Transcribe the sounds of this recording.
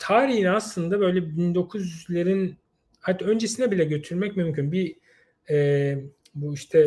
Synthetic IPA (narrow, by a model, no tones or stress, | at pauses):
t̪ʰaːɾiɦinaslˠɯnd̪abø̞jlʲɛbind̪o̞kʰuzyzlʲeɾin | hat̪ʰːø̞nd͡ʒesinɛbilʲɛɟø̞t̪ʰyɾmɛcmymcʰynbi | ɛː | buiʃt̪ʰɛ